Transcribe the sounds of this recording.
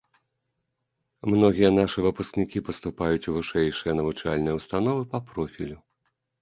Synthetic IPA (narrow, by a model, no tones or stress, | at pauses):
mnɔɣʲijɐnaʂɨvɨpusknʲikʲipɐst̪upajut͡sʲuvɨʂɛjʂɨjɐnɐvut͡ʂalʲnɨjɐwst̪anɔvɨpɐpɾɔfʲilʲu